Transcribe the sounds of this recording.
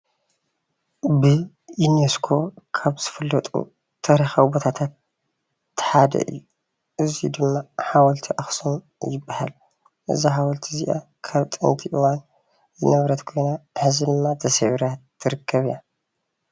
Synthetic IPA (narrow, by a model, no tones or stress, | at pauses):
bɨ | juneskʰo̞kʰaβz̥ɨfɐlːɐt̪ʼṵ | t̪ʰɐɾixawbot̪ʰat̪ʰat̪ː | ɨ̥ħad̪ɐ̰ʔɨ̰jːu | ʔɨzid̪ɨmːaħawɐlt̪ʰiʔaxsom | jɪbːahal | ʔɨ̰zaɦawɐlt̪ʰiziʔa̰ | kʰaβt̪ʼɨ̰nt̪ʰiʔɨwan | jɨnɐβɾɐt̪kʰo̞jnaħɨzid̪ɨmːat̪ʰɐsɐʕɾat̪ːɨɾɨkːɐβia